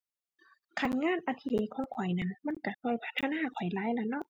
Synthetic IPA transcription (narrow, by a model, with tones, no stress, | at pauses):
kʰa˧˩t̚ŋaː˧˥˨nʔa˧t̪ʰi˧leː˧kʰɔː˨˦ŋkʰɔ˨˩˦jna˧˨nma˧˥˨nka˧˩kʰɔː˧˩jpʰa˧˥t̪ʰːa˧naː˧˥˩kʰɔ˨˩jlaː˧˥jla˧˩nɔ˧˥˨ʔ